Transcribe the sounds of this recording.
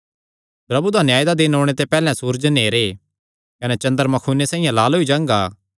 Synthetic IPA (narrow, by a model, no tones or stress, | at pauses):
pɾɐbud̪ʱãːnjaːjd̪ad̪ɪnoːɽ̃et̪̬epɛːlɛ̃suːɾd͡ʒneːɾe | kɐnɛt͡ʃɐ̃nd̪əɾmɐkʰuːnːesãːĩjãlaːlɦoid͡ʒãːŋɡaː